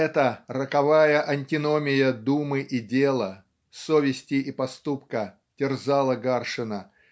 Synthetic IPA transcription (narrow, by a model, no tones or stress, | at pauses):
ɛt̪ərəkɐvajəʔɐnʲtʲɪnomʲɪjəd̪umɨʔidʲelˠə | sovʲɪsʲtʲɪʔipɐst̪upkə | tʲɪrzalˠəɡarʂɨnə